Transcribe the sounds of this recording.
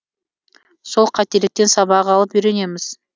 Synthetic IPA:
so̞lˠqʰɑt̪e̞lɪk̚t̪e̞nsɑβɑʁɑlˠəpʏjɾe̞ne̞mɪz̥

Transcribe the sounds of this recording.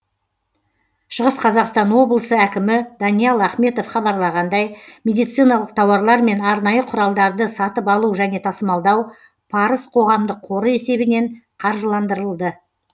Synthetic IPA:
ʃəʁəsqʰɑzɑqst̪ɑnwo̞blˠəsəækʲɪmɪd̪ɑnijɑlˠæχme̞t̪o̞fχɑbɑɾlˠɑʁɑnd̪ɑjmʲe̞d̪ijt̪sɨjnɑlˠəq̚t̪ʰɑwɑɾlˠɑɾme̞nɑɾnɑjəqʰʊɾɑlˠd̪ɑɾd̪əsɑt̪əpɑlˠuʒæne̞t̪ʰɑsəmɑlˠd̪ɑw | pʰɑɾəsqʰo̞ʁɑmd̪əqʰo̞ɾəe̞se̞bɪne̞ɴ | qʰɑɾʒəlˠɑnd̪əɾəlˠd̪ə

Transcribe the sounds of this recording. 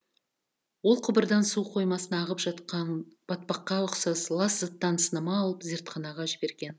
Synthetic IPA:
wo̞lˠqʰʊbəɾd̪ɑnsuqʰo̞jmɑsənɑʁəpʒɑt̪qɑnb̥ɑt̪̚pɑqːɑʊqsɑslˠɑszət̪ːɑnsənəmɑːlˠəpzʲeɾt̪qʰɑnɑʁɑʒɪbe̞ɾɡʲe̞n

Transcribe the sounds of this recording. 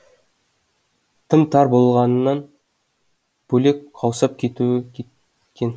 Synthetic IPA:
t̪ʰəmt̪ʰɑɾbolˠʁɑnnːɑn | b̥ɵlekqʰɑwsɑp̚kʲʰe̞t̪u | kʲʰen

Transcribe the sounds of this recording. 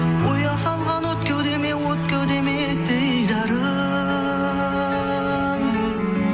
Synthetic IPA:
wojɑsɑlˠʁɑnwot̪̚kʲʰɵwd̪emewot̪̚kʲʰewd̪eme | t̪ɪjd̪ɑɾə

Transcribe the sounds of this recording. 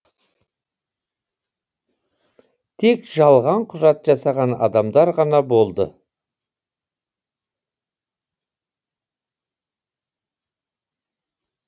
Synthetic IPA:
t̪ʰe̞kʒɑlˠʁɑɴqʰʊʒɑt̪ʒɑsɑʁɑnɑ̰d̪ɑmd̪ɑɾʁɑnɑbo̞lˠd̪ə̰

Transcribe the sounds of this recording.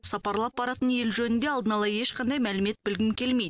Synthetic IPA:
sɑpɑɾlˠɑp̚bɑɾɑt̪ənje̞lʒɵnɪnd̪e̞ɑlˠd̪ənɑlˠɑje̞ʃqʰɑnd̪ɑjmælɪme̞t̪̚bɪlɡʲɪmkʲʰe̞lme̞jd̪

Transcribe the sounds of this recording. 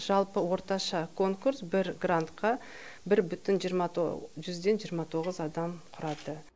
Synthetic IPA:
ʒ̥ɑlˠpəwo̞ɾt̪ɑʃɑkʰo̞ŋkuɾsbɪɾɡrant̪qɑ | bɪɾbʏt̪ɪnʒiɾmɑʒʏzd̪e̞nʒijəɾmɑt̪ʰo̞ʁəzɑd̪ɑmqʰʊɾɑd̪ə

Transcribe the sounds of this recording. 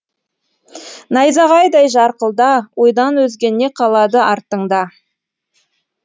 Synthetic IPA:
nɑjzɑʁɑjd̪ɑjʒɑɾqəlˠd̪ɑwʔo̞jd̪ɑnwɵzɡʲe̞nːe̞qʰɑlˠɑd̪əʔɑɾt̪ːəɴd̪ɑ

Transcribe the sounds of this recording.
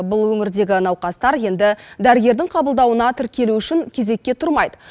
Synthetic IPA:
bʊlˠwɵŋɪɾd̪e̞ɡʲɪnɑwqɑst̪ɑɾje̞nd̪ɪd̪æɾɪɡʲe̞ɾd̪ɪŋqʰɑbəlˠd̪ɑwənɑt̪ʰɪɾkʲe̞luʏʃɪŋkʲʰe̞ze̞kʲːe̞t̪ʰʊɾmɑjd̪ə

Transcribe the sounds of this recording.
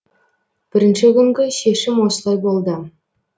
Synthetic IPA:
b̥ɪɾɪnʃɪkʲʰʏŋɡʲɪʃe̞ʃɪmwo̞sət̪ˠɑjbo̞lˠd̪ə

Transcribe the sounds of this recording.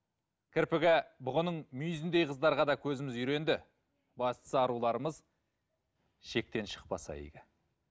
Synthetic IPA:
kʲʰɪɾpɪɡʲabʊʁənəɴmʏjzɪnd̪e̞jqʰəzd̪ɑɾʁɑd̪ɑkʲʰɵzɪmɪzʏɾe̞nd̪ɪ | bɑst̪ə̥səɑɾulˠɑɾəməz | ʃe̞k̚t̪e̞nʃə̥q̚pɑsɑ̰ḛɡʲɪ

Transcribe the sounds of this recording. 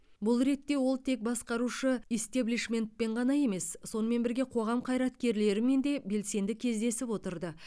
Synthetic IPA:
bʊlˠɾe̞t̪ːe̞wo̞lˠt̪ʰe̞k̚bɑsqɑɾuʃəist̪ebliʃme̞nt̪̚pe̞ɴʁɑnɑje̞me̞ssːo̞nəme̞nbɪɾɡʲe̞qʰo̞ʁɑmqʰɑjɾɑt̪kʲe̞ɾle̞ɾɪme̞nd̪e̞be̞lse̞nd̪ɪkʲʰe̞zd̪e̞sɪpwo̞t̪əɾd̪ə

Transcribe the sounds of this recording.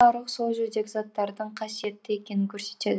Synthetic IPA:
ɑɾəqsoʒød̪ekʲɪzɑt̪ːɑɾd̪əɴqʰɑsijet̪ːɪe̞kʲe̞nɪŋkʲʰɵɾset̪ːed̪

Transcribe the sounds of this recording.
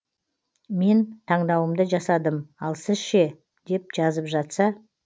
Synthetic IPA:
me̞nt̪ʰɑɴd̪ɑwəmd̪əʒɑsɑd̪əmɑlˠsɪzʃe̞ | d̪̥e̞p̚ʒ̥ɑzəpʒɑt̪sɑ

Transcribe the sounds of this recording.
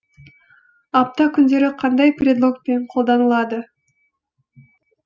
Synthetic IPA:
ɑp̚t̪ɑkynd̪e̞ɾiqʰɑnd̪ɑjprʲed̪lˠo̞k̚peɴqʰo̞lˠd̪ɑnɯlˠɑd̪ɯ

